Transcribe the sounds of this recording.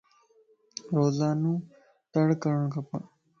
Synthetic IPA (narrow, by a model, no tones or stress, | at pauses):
ɾoːzaːnũː | t̪əɽkəɾəɳ̃kʰɐpəɽ